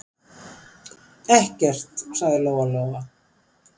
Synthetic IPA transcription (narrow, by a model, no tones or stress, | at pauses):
ɛhcɛr̥t̪saɣðɪloːwalɔːɣa